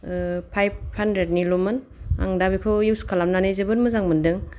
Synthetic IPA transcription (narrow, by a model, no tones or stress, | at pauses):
pʰajb̚handɾed̚nilomɯn | a̰ŋdabikʰojiwskʰalamnanejzɯbɯnmɯzaŋmɯndɯŋ